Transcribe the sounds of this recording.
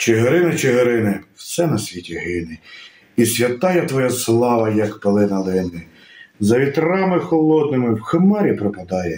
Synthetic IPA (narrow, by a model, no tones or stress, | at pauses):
t͡ʃeɦeɾɪnɐt͡ʃeɦeɾɪnɪw̥sɛnɐsʲʋʲitʲiɦɪnɪ | isʲʋʲɐt̪ɑjɛt̪ʋɔjɛslˠɑʋɐjɐkpelˠɪnɐlˠɪnɪ | zɐʋʲit̪rɑmɪxɔlˠɔd̪̚nɪmɪwxɪmɑɾʲipɾɔpɐd̪ɑjɛ